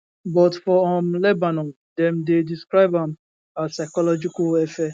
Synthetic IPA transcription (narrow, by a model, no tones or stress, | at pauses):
bɔtfɔɔm̩lebanɔn | dɛm̩dediskɾaɪbãm | asaɪkɔlɔd͡ʒikaefɛ